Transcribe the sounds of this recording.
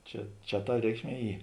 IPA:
ˈt͡ʃʲɛ ˈt͡ʃʲɛ tɐ ˈrʲɛɪkʃʲˌmʲiɛ ˈiː

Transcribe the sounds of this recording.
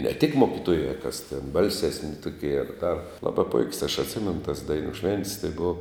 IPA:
nʲɛ tʲɪk ˈmoːkʲɪtoːjɛ kɐs tʲɛn ˈbɐlʲsʲɛsʲnʲɪ ˈtʊkʲiɛ ɐr ˈdɐr ˈlˠɑːbɐ pʊɪkʲsʲ ɐʃ ɐtʲˈsʲɪmʲɛnʊ tɐs ˈdɐɪnʊ ʃʲʋʲɛnʲtʲsʲ tɐɪ ˈboːʋɐ

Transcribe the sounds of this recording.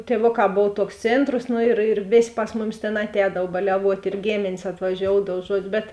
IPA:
tʲiɛˈʋoːˌkɑː ˈboːw ˈtoːʊks ˈt͡sʲeːntroːs ˈnʊ ɪr ɪr ˈʋʲeːsʲ ˈpɐs mʊˌmʲɪs tʲeːn ɐtʲˈɛːdɐw bɐlʲɛˈʋuɔtʲ ɪr ˈɡʲeːmʲeːnʲeːs ɐtʋɐˈʒʲoːʊdɐw ˈʒuɔt͡ʃ ˈbʲɛt

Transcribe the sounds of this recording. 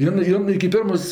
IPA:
ˈjɪn ˈjɪn ɪkʲɪ ˈpʲɪrmoːs

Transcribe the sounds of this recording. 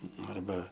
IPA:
ˈnʊ ɐrˈbɐ

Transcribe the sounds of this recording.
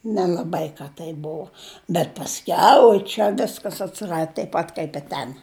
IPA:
nʲɛlˠɐˈbɐɪ ˈkɐ tɐɪ ˈbuɔ bʲɛt pɐsʲˈkʲɛʊ oːɪ ˈt͡ʃʲɛ ˈʋʲɪskɐs ɐtʲsʲɪˈrɐt tɐɪp ˈpɐt kɐɪp ɪ ˈtʲɛn

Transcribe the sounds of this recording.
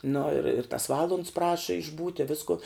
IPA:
nʊ ɪr ɪr tɐs ˈʋɑːlˠʊnts ˈprɑːʃɐ ɪʒˈbuːtʲɪ ˈʋʲɪskʊ

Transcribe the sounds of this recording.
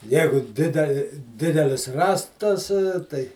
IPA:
ˈjæːɡʊ ˈdʲɪdʲɛlʲɪ ˈdʲɪdʲɛlʲɪs ˈrɑːstɐs tɐɪ

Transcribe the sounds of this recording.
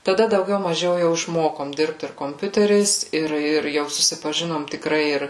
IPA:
tɐˈdɐ dɐʊˈɡʲɛʊ mɐˈʒʲɛʊ jɛʊ ɪʃˈmoːkoːm ˈdʲɪrpt ɪr koːmʲˈpʲʊtʲɛrʲɛɪs ˈɪr ɪr ˈjɛʊ sʊsʲɪpɐ ʒʲɪnoːm tʲɪkˈrɐɪ ˈɪr

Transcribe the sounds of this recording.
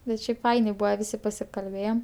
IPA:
bʲɛt ˈʃʲɛɪpˈfɐɪnʲeː ˈbuːʋɐ ˈʋʲɪsʲɪ pɐsʲɪkɐlʲˈbʲeːjɛm

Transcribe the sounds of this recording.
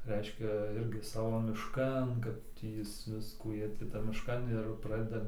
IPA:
ˈrʲɛɪʃʲkʲɛ ˈɪrʲɡʲɪ ˈsɑːʋoː mʲɪʃˈkɐn kɐt ˈtʲiː ˈjɪs ˈʋʲɪskuː ˈjiɛ tʲɪ ˈtɐm mʲɪʃˈkɐn ɪr ˈprɑːdʲɛdɐ

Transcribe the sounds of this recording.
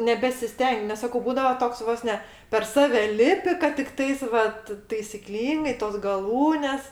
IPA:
nʲɛbʲɛsʲɪˈsʲtʲɛŋʲkʲ nʲɛs ˈsɑːkoː ˈbuːdɐʋɐ ˈtoːks ˈʋoːs nʲɛ pʲɛr ˈsɑːʋʲɛ ˈlʲɪpʲɪ kɐt tʲɪkˈtɐɪs ʋɐt tɐɪsʲɪˈklʲiːŋɡɐɪ toːs ɡɐˈlˠuːnʲɛs

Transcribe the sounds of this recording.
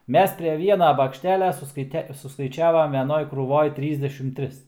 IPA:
ˈmʲɛs pʲrʲɛ ˈʋʲiɛnɐ bɐkʃʲˈtʲæːlʲɛ sʊskɐɪˈtʲɛ sʊskɐɪˈt͡ʃʲæːʋɐm ʋʲɛˈnoːj kruːˈʋoːj ˈtʲrʲiːzʲdʲɛʃʲɪm ˈtʲrʲɪs

